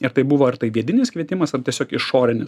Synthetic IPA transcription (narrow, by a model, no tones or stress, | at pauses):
ɪɾt̪ɐɪbʊʋoːɐɾt̪ɐɪʋʲiɛd̪ʲɪnʲɪskʋʲiɛt̪ʲɪmɐsɐrt̪ʲiɛsʲoːkɪʃʃoːɾʲɪnʲɪs